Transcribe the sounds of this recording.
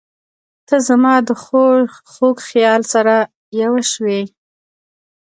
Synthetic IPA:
t̪əzamɑd̪əxoxoɡxjɑlsaɾa | jawaʃwe

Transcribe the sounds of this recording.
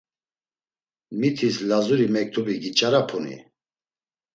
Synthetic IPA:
mit̪ʰislazuɾimɛk̚t̪ʰubiɡit͡ʃʼaɾapʰunḭ

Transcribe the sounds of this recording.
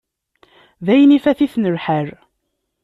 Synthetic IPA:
ðæjnifæθiθnəɾħəɾ

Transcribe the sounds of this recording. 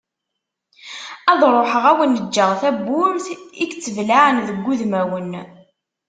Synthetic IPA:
æðˤɾˤoħəʁæwənːəd͡ʒːəʁθæbːʊɾθikt͡sːəvlaʕənðəɡʷːuðmæwən

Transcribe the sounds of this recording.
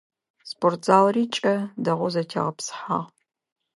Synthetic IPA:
spʰortz̥aːlriːt͡ʃʼɐdɐʁʷɔzɐtʰɐ̰ʁɐpsħa̰ːʁ

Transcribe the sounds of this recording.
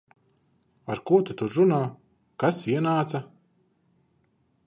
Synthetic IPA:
aɾkuɔt̪ut̪uɾɾunaː | kasiɛnaːt̪sa

